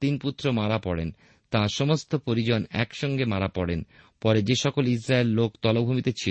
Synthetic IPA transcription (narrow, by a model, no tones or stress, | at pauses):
t̪input̪ːɾomaɾapɔɽen | t̪ãʃɔmost̪opɾoɾid͡ʑonɛ̰kʃɔŋɡemaɾapɔɽen | pɔɾed͡ʑeʃɔkolisɾaelːokt̪ɔlobʱumit̪et͡ɕʰi